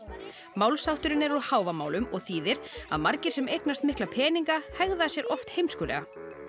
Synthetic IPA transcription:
maːwlsawt̪ʏɾɪnɛɾɔðhaːwvamaːwlʏmɔɣθiːðɪɾa̰ðmaɾcɪ̥sɛmejknast̪mɪhklapʰɛːniŋkahɛɣðasjɛɾʔɔft̪hejmskʏːlɛ̰ɣa

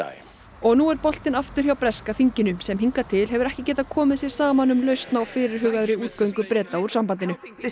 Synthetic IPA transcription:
ɔɣnuɛɾpɔl̥t̪ɪnaft̪ʏɾ̥hçawpɾɛskafiɲcɪnʏsɛmɦiŋkat̪ʰɪlɦɛvʏɾɛhcɪcɛːt̪akʰɔːmɪðsjɛɾ̥saːmanʏmlœɥst̪nawfɪːɾɪɾ̥ɦʏːɣaðʏɾɪuːt̪̚kœwiŋkʏpɾɛːt̪auɾsampant̪ɪnʏ

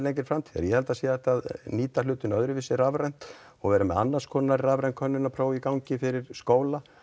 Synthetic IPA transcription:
leŋcɪɾ̥fɾamt̪ʰiɛ̰ɾjɛhɛlt̪asiːaθɛht̪ːaːðniːt̪alʏːt̪ʏnœðɾʏvɪsɪravɾɛjn̥t̪ | ɔɣvɛːɾʏmɛ̰ða̰nːaskʰɔnːaɾravɾɛjnkʰœnːʏnːapʰɾoːwikawɲcɪfɪɾɪɾ̥skoːwla

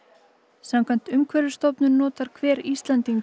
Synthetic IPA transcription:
samkʰvan̥t̪ʏmkʰvœɾʏ̥st̪owpnʏɾnɔːt̪aɾ̥kʰvɛːɾist̪lant̪iŋk

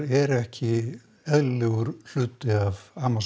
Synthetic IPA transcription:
ɛɾɛhcʰɪ | ɛðllɛːɣʏɾ̥l̥ʏːt̪ɪavaːmas

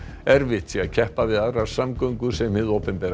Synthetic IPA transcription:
ɛɾvɪht̪θiacʰɛhpavɪðaðɾaɾ̥samkœɥŋkʏsɛmːɪðowpɛmpɛːɾ

